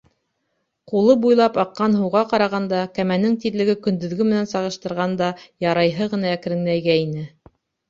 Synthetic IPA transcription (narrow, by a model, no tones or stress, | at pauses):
qulˠɤbujlˠɑpɑqːɑnɦɤ̆wʁɑqɑɾɑʁɑnd̪ɑkæmænɘŋt̪iɾlɘ̆ɡɘkɵ̆nd̪ɵ̆ðɡɵmɘ̆nænsɑʁɤ̆ʃt̪ɤ̆ɾʁɑnd̪ɑjɑɾɑjɦɤʁɤ̆nɑæk̆ɾɘ̆ŋlæjɡæinɘ